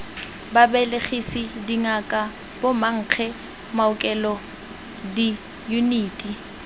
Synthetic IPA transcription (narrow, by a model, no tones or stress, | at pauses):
babɛleχisidiŋakʼa | bʊmaŋ̩k͡xʰɛ | maʊkʼɛlɔ | di | juniːtʼi